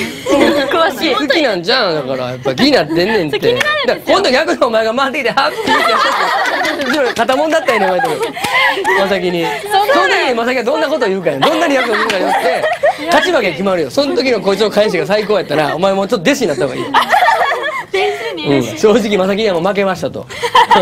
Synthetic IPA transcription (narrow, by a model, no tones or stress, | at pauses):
o | sɯkkʲinãɲd͡ʑãd̪akaɾa̰japːaɡʲiɲinat̪ːẽ̞nːẽ̞nt̪ːe̞d̪akõ̞nd̪ojʲakɯ̟noomae̞ɡamaːt̪ekʲit̪ehakːiik̪aɕ | t͡ɕimakat̪amond̪at̪ːajoɲʲeomaet̪oɾɯ | masak̬ʲiɲiso̞nt̪okiɲimasakʲiɡad̪õ̞nːako̞t̪ojɯ̟ːkaad̪õ̞nːaɾʲijakɯnomokaɾijot̪ːe̞t̪at͡ɕimakekʲimaɾɯ̟josõ̞nt̪o̞k̬ʲiɲokoːt͡ɕot̪ːokʰaiɕ̬iɡasaiko̞ːjat̪ːaɾaomaemot͡ɕot̪ːod̪e̞s̬ɨ̥kʲiɲinat̪ːahoɡa̰ḭː | ɯ̃ːɕo̞ːʑikʲimasak̬ʲiɲiamomak̬e̞maɕi̥t̪at̪o̰so